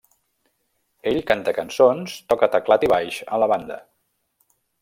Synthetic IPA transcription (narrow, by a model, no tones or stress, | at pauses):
eʎkant̪əkənsonst̪ɔkət̪əklat̪iβajʃə̰ləβand̪ə̰